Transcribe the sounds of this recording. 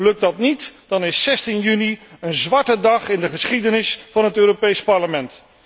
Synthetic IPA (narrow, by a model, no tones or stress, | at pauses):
lɵk̚dɑtnitd̥ɑnɪsːɛstinjyniənzʋɑɹtədɑχɪndəχəsχidənɪsfɑnɦətøːropejspɑɹləmɛnt